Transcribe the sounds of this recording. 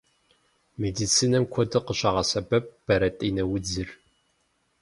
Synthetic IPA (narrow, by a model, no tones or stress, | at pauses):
medit͡sʰiːnɐmkʷʰɔdɨqəɕɐʁɐsɐbɐp̚b̥ɐɾɐtʼiːnɐwʊd͡zɨr